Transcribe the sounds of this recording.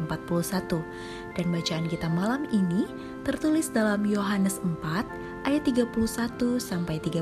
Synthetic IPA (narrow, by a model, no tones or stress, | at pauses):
əmpat̪̚pulusat̪u | d̥anbat͡ʃaankit̪amalamini | t̪ərt̪ulɪsdalamjoɦanəsəmpat̪̚ | ʔajat̪ːiɡapuluhsat̪usampajt̪iɡa